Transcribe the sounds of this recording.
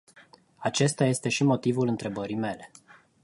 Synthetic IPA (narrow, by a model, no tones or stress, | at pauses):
at͡ʃe̞st̪aje̞st̪e̞ʃimo̞t̪ivulɨnt̪ɾe̞bəɾime̞le̞